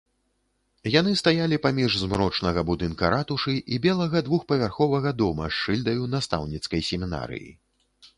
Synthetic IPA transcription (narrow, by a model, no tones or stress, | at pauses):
jan̪ɨst̪ajalʲipamʲiʐzmɾɔt͡ʂnɐɣɐbud̪ɨnkɐɾat̪uʂɨʔibʲɛlˠɐɣɐd̪vuxpɐvʲarxɔvɐɣɐd̪ɔmɐ̰ʂɨlʲd̪ɐjunast̪a̰wnʲit̪skɐjsʲɛmʲina̰ɾɨ̰jḭ